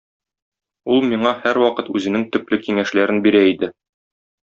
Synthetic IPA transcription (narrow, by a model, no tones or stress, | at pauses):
ulˠmiɴɑhæɾwɒqɤt̪ʉzɘ̆nɘŋt̪ɵ̆plɘkiŋæʃlæɾɘnbiɾæid̪ɘ